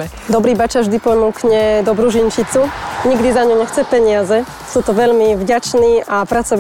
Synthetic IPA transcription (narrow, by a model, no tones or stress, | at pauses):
d̪ɔbɾiːbat͡ʃaʒd̪ipɔnuːkɲɛd̪ɔbɾuʒint͡ʃit͡suɲiɡd̪izaɲuɲɛxt͡sɛpɛɲɪazɛ | suːt̪ɔʋɛʎmivɟat͡ʃniːʔapɾat͡sɔʋ